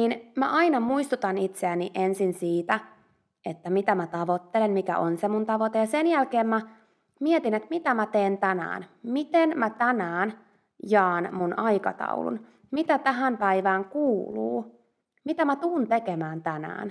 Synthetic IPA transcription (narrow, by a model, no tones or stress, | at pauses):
niːnmæ̰ʔɑinɑmuist̪ut̪ɑnit̪seæniʔensinsiːt̪æ | et̪ːæmit̪æmæt̪ɑʋot̪ːelenmikæ̰ʔonsemunt̪ɑʋot̪ejɑsenjælkeːmmæ | miet̪inet̪mit̪æmæt̪eːnt̪ænæ̰ːnmit̪enmæt̪ænæːn | jɑːnmunʔɑikɑ̰t̪ɑ̰ṵlṵn | mit̪æt̪æɦæmpæiʋæːŋkuːlṵː | mit̪æmæt̪uːnt̪ekemæːnt̪ænæ̰ːn